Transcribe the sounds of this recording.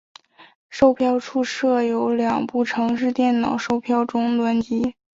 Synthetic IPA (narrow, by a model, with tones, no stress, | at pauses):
ʂo˥˧ʊpʰjɑ˥˧ʊʈ͡ʂʰu˥˧ʂɤ˥˩jo˧˥ʊljɑ˨˩ŋpu˥˩ʈ͡ʂʰɤ˧˥ŋʂ̬ɻ̩˥˧t̪jɛ˥˩nnɑ˨˩ʊʂo˥˧ʊpʰjɑ˥˩ʊʈ͡ʂʊ˥ŋlwa˧˥nt͡ɕi˧˥